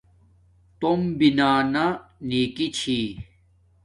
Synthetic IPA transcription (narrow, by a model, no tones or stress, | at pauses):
t̪ombinaːnaniːkit͡ɕʰi